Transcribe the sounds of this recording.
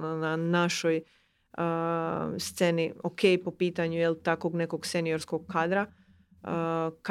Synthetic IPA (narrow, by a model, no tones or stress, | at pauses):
nanaʃo̞j | ə | st̪se̞niokʰejpo̞piːt̪aɲujelˠt̪ako̞ɡne̞ko̞ɡsenijo̞ɾsko̞ɡ̚kaːd̪ɾa | ək